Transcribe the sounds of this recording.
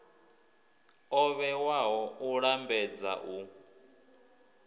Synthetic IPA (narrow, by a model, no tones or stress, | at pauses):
ɔβɛwaɦɔuɺambɛd͡za̰ʔu